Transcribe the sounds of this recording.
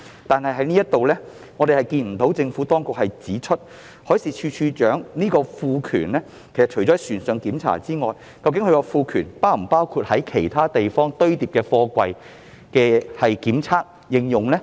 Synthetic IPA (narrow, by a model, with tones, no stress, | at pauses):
t̪aː˨nhɐ˨jɦɐ˨˥jniː˥jɐ˥t̪o˨wlɛː˥ | ŋɔː˨˧ɾe˨jhɐ˨jkiː˧nm̩˨˩t̪o˨˥wt͡sɪ˧ŋfuː˨˥t̪ɔː˥ŋkʊ˨k̚hɐ˨jt͡siː˨˥t͡ʃʰɵ˥t̚ | hɔː˨˥siː˨˧t͡ʃʰyː˧t͡ʃʰyː˧t͡ʃœː˨˥ŋniː˥kɔː˧fuː˧kʰy̰ː˨˩nlɛː˥ | kʰe˨˩jsɐ˨t̚t͡ʃʰɵ˨˩t͡ɕɔ˨˥ɐ˨˩jsyː˨˩nsœː˨˧ŋkiː˨˥mt͡sʰa̰ː˨˩t͡siː˥ŋɔː˨˧j | kɐ˧wkɪ˨˥ŋkʰɵ˧kɔː˧fuː˧kʰyː˨˩npaː˥wm̩˨˩paː˥wkʰu˧t̚hɐ˨˥jkʰe˨˩jt̪ʰaː˥t̪e˨jfɔː˥ŋt̪ɵ˥ɥt̪iː˨p̚kɛː˧fɔː˧kʷɐ˧j | kɛː˧hɐ˨jkiː˨˥mt͡sʰaː˥k̚ | jɪ˨˧ŋjʊ˨ŋlɛː˥